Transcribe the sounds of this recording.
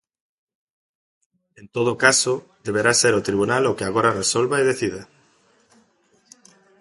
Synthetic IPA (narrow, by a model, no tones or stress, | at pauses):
ẽnt̪oð̞okasod̪eβ̞eɾaseɾʊt̪ɾiβunalokeaɣ̞oɾaresolβaeðeθiða